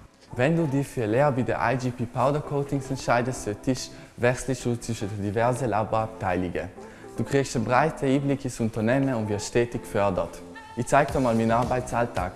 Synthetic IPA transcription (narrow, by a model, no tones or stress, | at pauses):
vɛnduːdifyːɐleːɐbidḛɐʔa̰ɪd͡ʒipiːpʰaʊdɐkʰoːtɪŋsɛntʃaɪdəstsøtʰɪʃ | vɛʁslɪç̥ut͡sv̥ɪʃənddivɛʁzəlabəap̚tʰaɪlɪɡə̰ | d̥uːkʁ̥iːçstanbʁaɪtʰəiːblikɪsʊntɐnɛːmənʊntvɪɐtʃtɛːtɪçfœɐdɐ̰t | içt͡saɪktdmaːlmiːnaʁbaɪtt͡saltʰa̰ːk